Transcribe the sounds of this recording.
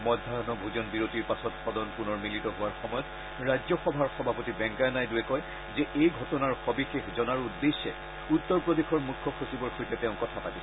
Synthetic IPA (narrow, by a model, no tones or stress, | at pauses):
mɔdʱːaɹɔnɔbʱuzɔnbiɹotiɹpasɔtxɔdɔnpunɔɹmilitɔɦʊaɹxɔmɔjɔt | ɹajzɔxɔbʱaɹxɔbʱapotibɛŋkajnajduɛkɔj | zɛʔejɡʱɔtɔnaɹxɔbixexzɔnaɹudːesɛ̰ | utːɔɹpɹɔdexʰɔɹmukʰːɔxosibɔɹkʰojtɛtɛʊ̃kɔtʰapatis